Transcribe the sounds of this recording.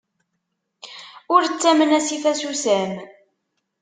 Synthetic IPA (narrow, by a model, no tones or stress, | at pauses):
ʊɾt͡sːæmənæsiθæsusæm